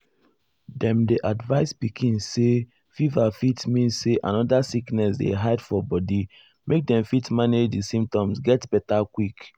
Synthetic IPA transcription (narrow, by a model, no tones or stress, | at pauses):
dɛ̃mdeʔadvaɪspikĩnse | fivafitmĩnsseʔãnɔdasiknɛsdḛɦaɪdfɔbɔdi | mek̚dɛ̃mfitmaned͡ʒdisĩmp̚tɔ̃msɡɛtb̥ɛtakwik